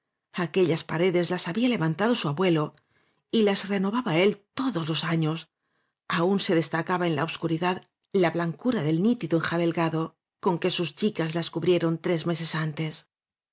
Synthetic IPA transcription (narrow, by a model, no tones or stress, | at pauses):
ake̞ʎaspaɾe̞ðe̞zlasaβiale̞βant̪aðo̞suaβwe̞lo̞ | ilazre̞no̞βaβae̞lt̪o̞ðo̞zlo̞saɲo̞s | aunse̞ðe̞st̪akaβae̞nla̰oβskuɾiðað | laβlaŋkuɾaðe̞lnit̪iðoeŋxaβe̞lɡaðo̞ | ko̞ŋke̞sust͡ʃikazlaskuβɾje̞ɾo̞nt̪ɾe̞zme̞se̞sant̪e̞s